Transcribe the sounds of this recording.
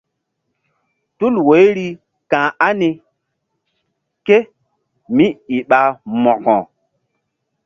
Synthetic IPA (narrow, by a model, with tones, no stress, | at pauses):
tu˦lwe˨˦jɾi˦ | kã˨a˦ni˨ | ke˦ | mi˦i˨ɓa˨mɔ˨kɔ̰̃˨